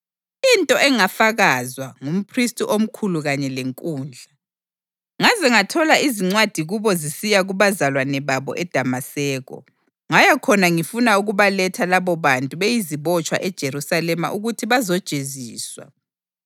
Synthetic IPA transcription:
intʼɔʔɛŋafaɣazwaŋum̩pʰristʼiʔom̩kʰuluɣaɲɛleŋkʼuːnd͡ɮʱa | ŋazɛŋatʰɔlaiziŋ͡ǀwad̥ʱiɣuβɔzisijaɣuβazalwanɛβaβɔ̰ʔɛd̥ʱamasɛːɣɔ̰ | ŋajakʰɔnaŋifunauɣuβalɛtʰalaβɔβantʼuβejiziβɔt͡ʃʼwa̰ʔɛd̥ʒ̥ʱeɾusalɛma̰ʔuɣutʰiβazɔd̥ʒ̥ʱeziːswa̰

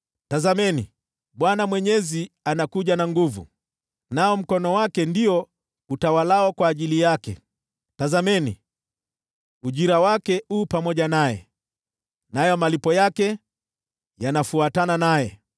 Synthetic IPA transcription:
tazamɛnḭ | ɓwanamwɛɲɛzi | anakuʄanaŋɡuvṵ | naɔm̩kɔnɔwakɛndiɔ | utawalaɔkwaːʄilijakɛ̰ | tazamɛni | uʄiɾawakɛupamɔʄanajɛ̰ | najɔmalipɔjakɛ | janafuatananajɛ

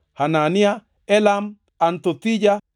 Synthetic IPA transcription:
hanania | elam | ant̪ot̪iɟa

